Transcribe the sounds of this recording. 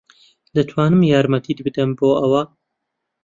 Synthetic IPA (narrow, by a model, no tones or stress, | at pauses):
d̪ɨt̪ʰwɑːnɨmjaːɾmɐt̪ʰiːd̪bɨd̪ɐmboːʔɐwɐ